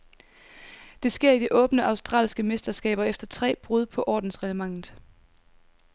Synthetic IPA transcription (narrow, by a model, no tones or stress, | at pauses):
d̥e̝sɡ̥e̝ɐ̰id̥iʔɔ̽ːb̥nəʔɑ̈ʊsd̥ʁɑ̰ːlsɡ̥əmesd̥ɐsɡ̥ɛ̰ːb̥ɐefd̥ɐt͡sʰʁɛ̰ːb̥ʁuðˠpʰɒ̽ʔɒ̰ːd̥n̩sʁɛləmɑ̈ŋ̰ð̩ˠ